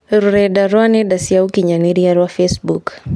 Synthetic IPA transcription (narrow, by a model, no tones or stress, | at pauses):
ɾuɾɛdaɾwanɛdasiaukiɲaniɾiaɾwafɛsbuk